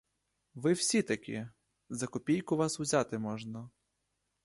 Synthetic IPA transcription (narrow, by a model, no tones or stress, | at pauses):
ʋɪwsʲit̪ɐkʲḭ | zɐkɔpʲijkʊʋɑsʊzʲat̪ɪmɔʒnɐ